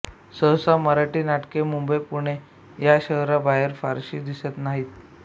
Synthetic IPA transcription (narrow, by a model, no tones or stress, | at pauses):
səɦsaməɾaʈiːnaʈkemumbəjpuɽ̃e | jaɕəɦɾabaɦjəɾfaɾɕḭːd̪isət̪naɦiːt̪̚